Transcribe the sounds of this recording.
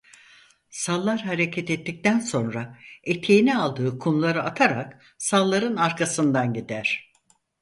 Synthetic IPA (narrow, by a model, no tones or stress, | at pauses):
salˠːaɾɦaɾecʰɛt̪ɛt̪ːic̚t̪ænso̞nɾaet̪ʰejinɛalˠd̪ɯːkʰunulˠaɾɯat̪ʰaɾa̰k | salˠːaɾɯnaɾkʰasɯnd̪anɟid̪æɾ̝̥